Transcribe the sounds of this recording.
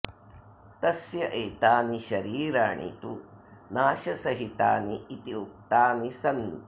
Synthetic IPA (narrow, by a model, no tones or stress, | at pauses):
t̪ɐsjɐʔeːt̪aːniʃɐɾiːɾaːɳḭt̪u | naːʃɐsɐɦit̪aːniːt̪iuk̚t̪aːnisɐnu